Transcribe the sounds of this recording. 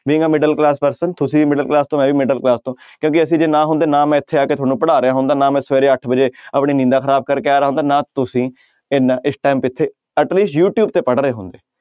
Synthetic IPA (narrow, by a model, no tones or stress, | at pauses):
ʋiːŋɡãːmɪɖəlklaːspəɾsənt̪ʊsĩːmɪɖəlklaːst̪õːmɛ̃ːʋiːmɪɖəlklaːst̪õːkjõːkɪəsĩːd͡ʒeːnãːɦʊ̃nd̪eːnãːmɛ̃ːɪt̪ʰːeːaːkeːt̪ʰʊaːnũːpəɽaːɾejaːɦʊ̃nd̪aːnãːmɛ̃ːsʋeːɾeːəʈʰbəd͡ʒeːəpɳiːnɪ̃ːd̪aːkʰəɾaːb̚kəɾkeːaːɾeaːɦõːnd̪aːnãːt̪ʊsĩː | ɪnaʔɪsʈaːmpɪt̪ʰːeː | əʈliːsjuːʈjuːb̚t̪eːpəɽɾəeːɦʊ̃nd̪eː